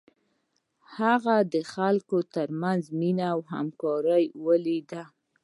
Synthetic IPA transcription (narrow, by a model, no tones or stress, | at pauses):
haɣad̪əxalkot̪əɾmanzminawɦa̰mkɑɾəjwəlid̪a